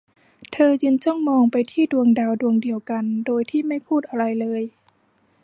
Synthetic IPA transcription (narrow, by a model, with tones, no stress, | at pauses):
t̪ʰɤː˧jɯ˧nt͡ɕʰu˥˩ə˨ŋmɔː˧ŋpa˧jt̪ʰiː˥˩du˧əŋdaː˧wdu˧əŋdi˧əwka˧ndoː˧jt̪ʰiː˥˩ma˥˩jpʰuː˥˩t̪ʔa˧ɾa˧jlɤː˧j